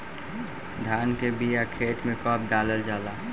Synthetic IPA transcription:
d̪ʱaːnkebijakʰeːʈmẽkɔːp̚d̪aːləld͡ʒaːlaː

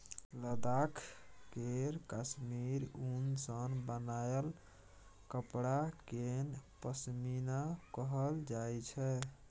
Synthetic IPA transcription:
ləd̪akʰkeɾkasmiɾunsənbənajl | kəpɽakenpəsminakəɦəld͡ʒajt͡ʃʰɛ

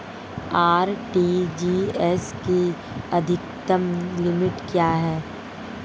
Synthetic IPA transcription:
aːɾʈiːd͡ʒiːɛski | ɐd̪ʱɪkt̪əmlɪmɪʈkjaːɦɛː

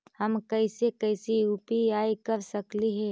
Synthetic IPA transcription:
hɐmkɐɪsekɐɪsiupiaːikɐɾsɐkliɦɛ̃ː

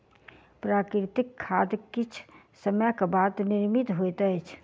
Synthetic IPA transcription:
pɾaːkɾɪt̪ɪkʰːaːd̪kɪt͡ʃʰ | səmjkabaːd̪nɪɾmit̪ɦot̪əɛt͡ʃʰ

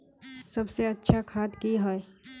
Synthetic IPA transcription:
sɐbseɐtːʃʰakʰaːt̪kiɦoe

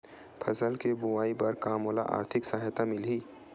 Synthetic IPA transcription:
pʰɐsəlkebʊwaːipɐɾkaːmoːla̰ʔa̰ːɾt̪ʰɪksəɦət̪amɪlɦiː

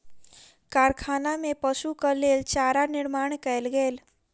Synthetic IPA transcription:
kaːɾkʰaːnamẽpəʃukəleːlt͡ʃaːɾanɪɾmaːɳkɛjlɡeːl

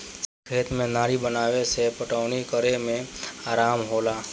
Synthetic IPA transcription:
kʰeːt̪mẽnaːɾibənaːʋesepəʈəʊnikəɾemẽaːɾaːmɦoːlaː

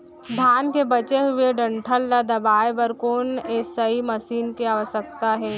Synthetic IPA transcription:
bʱaːnkebɐt͡ʃeɦʊeɖə̃ɳʈʰəlːad̪ɐbaːebəɾkoːneːsɐimɐsiːnkeaːʋəsək̚t̪aɦɛː

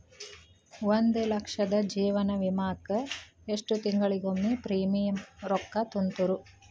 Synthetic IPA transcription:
wond̪elɐkʂɐd̪ɐd͡ʒiːʋɐnɐʋimaːkɐ | eʂʈut̪iŋɡɐɭiɡomːipɾiːmijɐmɾɔkːɐt̪unt̪uɾu

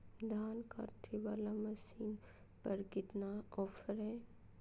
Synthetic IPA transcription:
d̪ʱaːnka̰ːʈʰiʋaːlamɐsiːn | pɐɾkɪt̪naɔːfʰəɾɦɛː

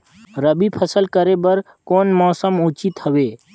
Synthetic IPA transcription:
ɾəbipʰəsəlkəɾebəɾ | koːnmɔːsəmʊt͡ʃɪt̪həʋeː

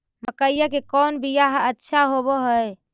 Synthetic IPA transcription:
məkəjjəkekɔnbʱijaɦətːʃʰaɦoboɦəj

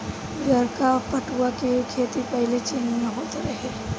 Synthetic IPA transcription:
ɡʱəɾkapəʈuakekʰeːt̪ipəɦɪlet͡ʃeːnjẽɦoːt̪ɾɐɦe

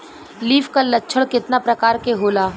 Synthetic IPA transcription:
liːfkalɐtːt͡ʃʰəɽkɪt̪napɾɐkaːɾkeɦoːlaː

